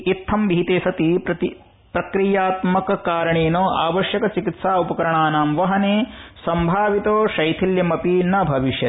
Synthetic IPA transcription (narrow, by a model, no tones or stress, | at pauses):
it̪ʰːɐmbʱiːt̪eːsɐt̪ipɾɐt̪i | pɾɐkɾijaːt̪mɐkɐkaːɾɐɳeːnoːʔaːʋɐʃjɐkɐt͡ʃikit̪saːupɐkɐɾɐɳaːnaːmʋɐɦɐneːsɐmbʱaːʋit̪oːʃɐjt̪ʰiljɐmɐpinɐbʱɐʋiʃjɐ